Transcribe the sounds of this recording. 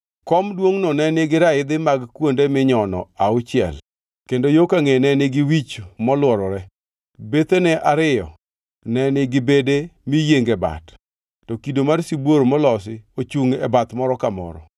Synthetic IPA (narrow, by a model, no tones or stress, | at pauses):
kɔmdwoŋnɔnɛnɪɡɪɾaɪd̪ɪmaɡkwondemɪɲɔnɔ̰aʊt͡ʃɪɛ̰l | kendojokaŋenɛnɪɡɪwit͡ʃmɔlwɔɾɔɾɛ | bet̪enɛʔaɾɪjɔ | nɛnɪɡɪbedemijeŋɡɛba̰tː | ɔkidomarsibwoɾomɔlɔsɪot͡ʃuŋɛbat̪mɔɾɔkamɔ̰ɾɔ̰